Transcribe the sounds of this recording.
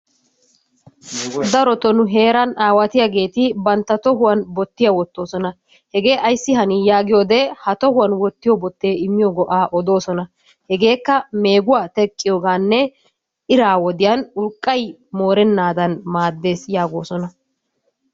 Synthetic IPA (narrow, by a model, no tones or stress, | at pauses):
d̪ɐɾɔt̪ɔnʊɦe̞ːɾɐnaːwɐt̪ɪjaɡe̞ːt̪ɪbɐnt̪ːɐt̪ɔɦʊwɐnbɔt̪ːɪjɐwɔt̪ːo̞ːsɔnɐ | hɛɡe̞ːʔɐjsːɪhɐnɪjaːɡɪjoːd̪ɛhɐt̪ɔhʊwɐnwɔt̪ːɪjɔbɔt̪ːe̞ːɪmːɪjɔɡɔʔaːʔɔd̪o̞ːsɔnɐ | hɛɡe̞ːkːɐme̞ːɡʊwaːt̪ɛkʼːɪjoːɡaːnːɛ | ɪɾaːwɔd̪ɪjanʊlkʼːɐj | mo̞ːɾɛnːaːd̪ɐnmaːd̪ːe̞ːsjaːɡoːsɔnɐ